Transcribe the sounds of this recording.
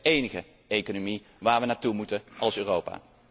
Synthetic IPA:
ejnəχə | ejkonomi | ʋaːɹʋənaːtumutəɑlˠsøːrowpa̰ː

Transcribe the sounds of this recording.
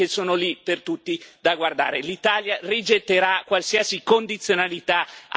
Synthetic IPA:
esoːnolipert̪ut̪ːid̪aɡward̪a̰ːɾelit̪aːljarid͡ʒet̪ːeɾakwalsiasikond̪it̪sːjonalit̪a

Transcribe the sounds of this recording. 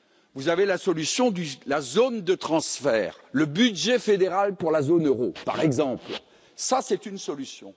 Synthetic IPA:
vuzavelasɔlysjɔ̃d̪ylazond̪ət̪χɑ̃sfɛːʁ | ləbydʒɛfed̪eʁalpuʁlazonøʁopa̰ʁɛɡzɑ̃pl | sasɛt̪ynsɔlysjɔ̰̃

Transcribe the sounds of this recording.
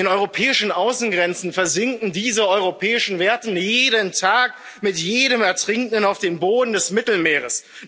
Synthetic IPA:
eːnʔɔʏʁopʰɛːɪʃn̩ʔaʊsn̩ɡʁɛnt͡sn̩fɛɐzɪŋkkn̩diːzəɔʏʁopʰɛːɪʃn̩veːɐtn̩jeːɾəntʰaːk | mɪtjeːɾəmɛɐtʁ̥ɪŋtənaʊfd̥eːmboːdn̩dɛsmɪtl̩meːʁ̞əs

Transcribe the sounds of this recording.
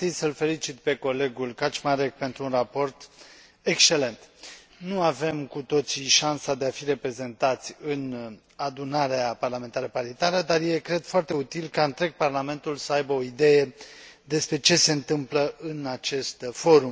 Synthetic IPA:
t̪id̪ʲsəlfe̞lit͡ʃit̪pe̞ko̞le̞ɡulkat͡ʃmaɾe̞k̚pe̞nt̪ɾuunrapo̞rt̪ | e̞kst͡ʃe̞le̞nt̪ | nuave̞mkut̪o̞t̪siʃansad̪e̞afiɾe̞pɾe̞ze̞nt̪at̪sʲɨn | ad̪unaɾeaparlame̞nt̪aɾəpaɾit̪aɾəd̪arjekɾe̞d̪foart̪e̞ut̪ilkaɨnt̪ɾe̞ɡ̚parlame̞nt̪ulsəajbəo̞id̪e̞je̞d̪e̞spɾe̞t͡ʃe̞se̞ɨnt̪ɨmpləʔɨnat͡ʃe̞st̪fo̞ɾum

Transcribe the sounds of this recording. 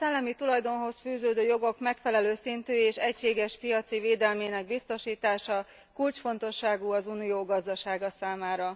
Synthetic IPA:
sɛlːɛmit̪ulɒjd̪o̞nɦo̞sfyːzøːd̪øːjo̞ɡo̞kmɛkfɛlɛløːsint̪yːeːʃɛcʃeːɡɛʃpijɒt̪siveːd̪ɛlmeːnɛɡ̚bist̪o̞ʃiːt̪aːʃɒ | kult͡ʃfo̞nt̪o̞ʃːaːɡuːɒzunijoːɡɒzd̪ɒʃaːɡɒsaːmaːɾɒ

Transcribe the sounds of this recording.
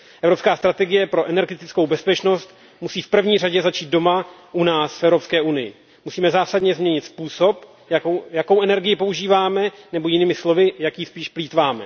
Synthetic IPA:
ʔɛvɾo̞pskaːst̪ɾat̪ɛɡɪjɛpɾo̞ʔɛnɛɾɡɛt̪ɪt͡sko̞wbɛspɛt͡ʃno̞st̪ | musiːfpr̩vɲiːraɟɛzat͡ʃiːt̪̚do̞maʔunaːsfɛvɾopskɛːʔunɪjɪ̰ | musiːmɛzaːsadɲɛzmɲɛɲɪt̪spuːso̞p | jajako̞wʔɛnɛɾɡɪjɪpo̞uʒiːvaːmɛnɛbo̞jɪniːmɪslo̞vɪjakjispiːʃpliːt̪vaːmɛ̰

